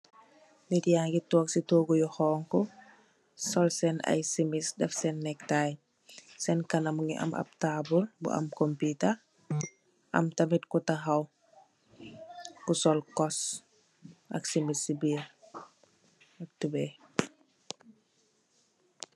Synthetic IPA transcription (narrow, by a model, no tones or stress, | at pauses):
nitjaːŋɡitɔːksitoːɡujɔhɔːŋkɔ | sɔlsɛnɐ̰jsimisdɛfsɛnːɛk̚taj | sɛnkɐnɐmuŋḭʔɐ̰mʔɐ̰p̚taːbulbṵʔɐ̰mkomputɐ | ʔɐ̰mtɐmitkutaxɐw | kusɔlkɔs | ʔɐ̰ksimisːibiːr | ɐk̚tube